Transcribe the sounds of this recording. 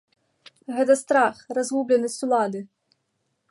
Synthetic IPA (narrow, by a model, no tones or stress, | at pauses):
ɣɛt̪̬ɐst̪ɾaxrazɣublʲɛnɐsʲt͡sʲulˠad̪ɨ